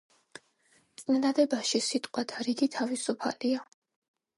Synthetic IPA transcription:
t̪sʼinad̪ad̪ɛbaʃisit̪ʼqʼwat̪ʰaɾiɡit̪ʰavisupʰa̰lia

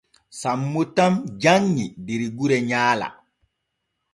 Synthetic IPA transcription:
samːutamd͡ʒaŋːibiɾiɡuɾɛɲaːla̰

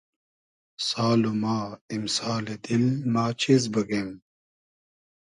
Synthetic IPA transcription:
saːlumaːimsaːled̪ilmaːt͡ɕʰezbɐɡem

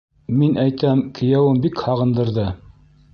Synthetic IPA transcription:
minʔæjt̪æmkʰɘ̆jæwɘnbikhɑʁɤ̆nd̪ɤ̆ɾðɤ

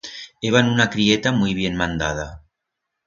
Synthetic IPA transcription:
eβ̞anunakɾiet̪amujβ̞jenmand̪að̞a

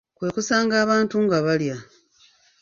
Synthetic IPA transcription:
kwe̞ːkusaːŋɡaːβaːntuŋɡaβalja

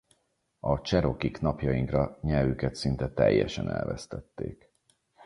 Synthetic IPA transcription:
ɒt͡ʃɛɾo̞kiknɒpjɒjiŋkrɒɲɛvykɛt̪sint̪ɛt̪ɛjːɛʃɛnɛ̰lvɛst̪ɛt̪ːeːk

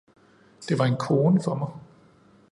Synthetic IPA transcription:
d̥e̝ʋɑ̈e̝nkʰo̝ːnəfɒ̽mɑ̈ɪ

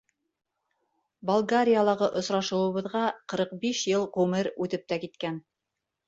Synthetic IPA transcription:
bolˠɡaɾʲijalˠɑʁɤʔŏsɾɑʃɤ̆wɤ̆βɤ̆ðʁɑqɤ̆ɾɤq̚biʃjɤlˠʁʉmɘɾʉt̪ɘp̚t̪ækit̪kæn

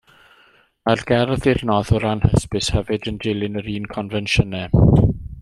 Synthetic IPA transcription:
arɡɛrðɪrnɔðʊɾanhəspɪshɛvɨdəndɪlˠɪnəɾiːnkʰɔnvɛnʃənɛ

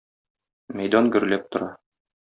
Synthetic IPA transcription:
mæjd̪ɑnɡɵ̆ɾ̆læp̚t̪ŏɾɑ

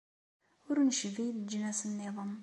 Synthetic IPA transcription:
ʊɾnʃvijd̪d͡ʒənæsənːeðˤəm

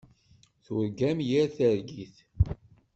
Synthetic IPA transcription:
θʊɾɡæmjiɾθəɾɡiθ

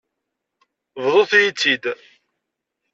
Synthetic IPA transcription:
vðˤoθjit͡sːid̪

